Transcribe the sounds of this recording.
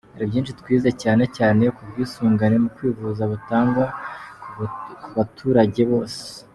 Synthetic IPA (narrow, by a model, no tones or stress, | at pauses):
aɾibɟiːnʃitkwiːzecaːne̞caːne̞kubɡiːsuːŋɡane̞mukwiːvuzaβutaːŋɡwa | kuβatʰuːɾaɟe̞βo̞ːse̥